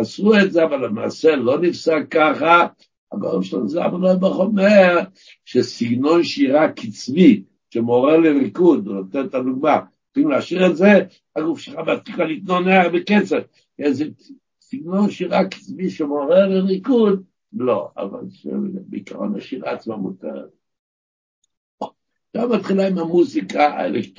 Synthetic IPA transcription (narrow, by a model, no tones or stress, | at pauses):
asuetzeavalema̰ːselo̞nifsakaχa | a̰ɡoʁemʃela̰nuza̰balobeχomeʁ | ʃesiɡno̞nʃiʁakit͡svi | ʃemo̞ʁeleʁikud̪venot̪entad̪uɡmaʁ | t͡sχimleaʃiʁetze | aɡufʃelχabeat̪ikalit̪noneaʁbeket͡sev | keze | siɡno̞nʃiʁaki̥t͡sviʃemoʁeʁleʁikud̪̚ | lo̞a̰va̰lʃḛbḛikaʁo̰na̰ʃiʁa̰ːt͡smamṵt̪ḛʁ̰ | ʃamat̪χilaimamuzikʰaa̰ḛlekt